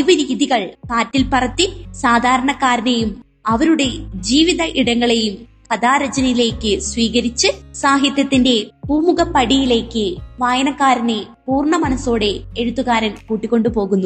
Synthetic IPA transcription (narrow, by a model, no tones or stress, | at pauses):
iʋɐɾiːðiɣɐɭkaːtːilpɐrɐt̪ːisaːd̪ʱaːɾɐɳɐkːaːɾɐnejum | ɐʋɐɾuɽe̞d͡ʑiːʋiðɐʔiɽɐŋːɐɭe̞jum | pɐðaːɾɐd͡ʑɐnɐjile̞ːkːɨsʋiːɣɐɾit͡ɕːɨsaːɦjɐt̪jɐt̪ːinde̞buːmuɣɐpːɐɽijile̞ːkːɨʋaːjɐnɐkːaːɾɐne | puːrɳɐmɐnɐso̞ːɽe̞eɻut̪ːuɣaːɾɐnkuːʈːikʲːo̞ɳɖɨpo̞ːɣunːu